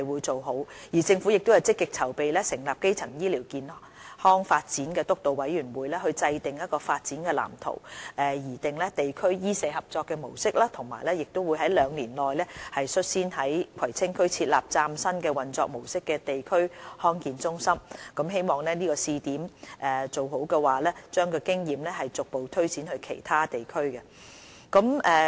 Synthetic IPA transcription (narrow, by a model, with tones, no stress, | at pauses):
jwuː˨˧jt͡so˨wɦo˨˥wjiː˨˩t͡sɪ˧ŋfu˨˥jɪ˨k̚t̪o˥jɐ˨˧wt͡sɪ˥kːɪ˨k̚t͡sʰɐ˨˩wpe˨jlɛː˥sɪ˨˩ŋlaː˨p̚ke˥jt͡sʰɐ˨˩ŋjiː˥liː˨˩wkiː˨n | hɔː˥ŋfaː˧t̚t͡siː˨˥nkɛː˧t̪ʊ˥k̚t̪o˨wwɐ˨˥jyː˨˩nwuː˨˧jlɛː˥hɵ˧ɥt͡sɐ˧jt̪ɪ˨ŋjɐ˥t̚kɔː˧faː˧t̚t͡siː˨˥nkɛː˧la̰ː˨˩mt̪ʰo̰˨˩wʔɛː˨˧jiː˨˩t̪ɪ˨ŋlɛ˥t̪e˨jkʰɵ˥ɥjiː˥sɛː˨˧hɐ˨p̚t͡sɔː˧kːɛ˧mo˨˩wsɪ˥k̚laː˥t̪ʰʊ˨˩ŋma̰ː˨˩jlɛː˥jɪ˨k̚t̪o˥wuː˨˧jɦɐ˨˥jlœː˨˧ŋliː˨˩nlɔː˨jlɛː˥hɐ˨jsɵ˥t̚siː˥nhɐ˨˥jkʷʰɐ˨˩jt͡sʰɪ˥ŋkʰɵ˥ɥt͡sʰiː˧t̚la̰ː˨˩p̚t͡saː˧msɐ˥nkɛː˧wɐ˨nt͡sɔ̰ː˧k̚mo˨˩wsɪ˥kːɛ˧t̪e˨jkʰɵ˥ɥhɔː˥nkiː˨nt͡sʊ˥ŋsɐ˥mkɐ˨˥mɦe˥jmɔː˨˩ŋlɛː˥niː˥kɔː˧siː˧t̪iː˨˥mʔɛː˨˩t͡so˨˩wɦo˨˥wkɛ˧waː˨lɛː˥t͡ʃœː˥ŋkɔː˧kɪ˥ŋjiː˨mlɛː˥ɦɐ˨jt͡sʊ˨k̚po˨wt̪ʰɵ˥ɥt͡siː˨˥nhɵ˧ɥkʰe˨˩jt̪ʰaː˥t̪e˨jkʰɵ˥ɥkɛ˧ | kɐ˨˥mɛ˨